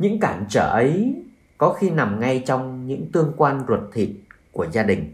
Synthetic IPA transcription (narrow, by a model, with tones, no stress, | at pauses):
ɲɨ̰˧˥ŋkaː˧˩nt͡ɕəː˧˩ʔə˨˦j | kɔ˨˦xi˧na˨˩mŋa˧jt͡ɕɔ˧wŋ͡mɲɨ̰˧˥ŋt̪ɨ˧əŋkwaː˧nzwə˨˩t̚t̪ʰḭ˨˩t̚ku˧˩əzaː˧ɗï˨˩ŋ̟